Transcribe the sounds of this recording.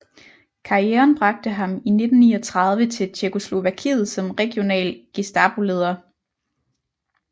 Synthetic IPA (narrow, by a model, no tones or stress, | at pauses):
kʰɑ̈ieːɐnb̥ʁɑ̈ɡ̥̚d̥əɦɑ̈mine̝d̥n̩nḭːɒt͡sʰʁɑ̈ð̞ˠʋət͡sʰe̝lt͡ɕʰekʰo̝slo̝ʋækʰḭːð̞̩ˠsɒ̽mʁɛɡ̥jo̝nɛ̰ːlɡ̥isd̥ɑb̥ole̝ːð̞ˠɐ